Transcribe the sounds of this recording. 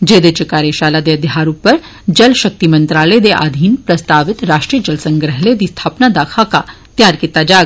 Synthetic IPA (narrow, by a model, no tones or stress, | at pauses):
d͡ʒeːd̪et͡ʃekaːɾeʃaːlad̪eɐd̪jɦaːɾũpɐɾ | d͡ʒɐlʃɐk̚t̪imɐ̃nt̪ɾaːləed̪eʔa̰ːd̪ʱiːnpɾɐst̪aːʋɪt̪ɾaːʃʈɾiːəd͡ʒɐlsə̃ŋɡɾəɦled̪ist̪ʰaːpnad̪aːkʰaka | t̪jaːɾkit̪ad͡ʒaː